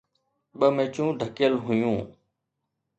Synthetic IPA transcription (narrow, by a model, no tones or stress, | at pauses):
ɓəmẽːt͡ʃũːɖʱəkɪjəlɦʊjũː